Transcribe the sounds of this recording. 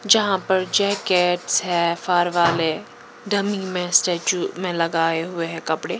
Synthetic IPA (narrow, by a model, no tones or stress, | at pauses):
d͡ʒɐɦãpɐɾd͡ʒɛːkeːʈsɦɛːfaːɾʋaːle | ɖʱɐmimẽsʈeːt͡ʃumẽlɐɡaːeɦʊeɦɛ̃kɐpɽeː